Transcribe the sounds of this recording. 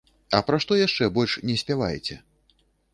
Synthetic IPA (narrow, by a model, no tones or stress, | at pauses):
ɐ̰pɾaʂt̪ɔjaʂt͡ʂɛbɔlʲʂnʲɛsʲpʲɛvajt͡sʲɛ